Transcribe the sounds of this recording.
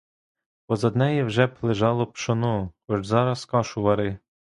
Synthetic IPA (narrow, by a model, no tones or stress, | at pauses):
pɔzɐd̪nɛjiwʒɛplˠɪʒɑlˠɔpʃɔnɔkɔʒzɑɾɐskɑʃʊʋɐɾɪ